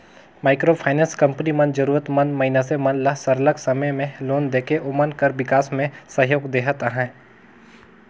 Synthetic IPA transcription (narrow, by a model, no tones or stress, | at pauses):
maːɪkɾopʰaːɪnɛ̃nskɐ̃mpənimɐ̃nd̪d͡ʒɐɾuːɾət̪mɐ̃nd̪mɐɦɪnasemɐ̃nd̪lɐɦsɐɾləɡsɐməjmẽloːnd̪eːkeʔomənkəɾʋɪkaːsmẽsɐɦjoːɡd̪eːɦat̪ɦɛ̃ː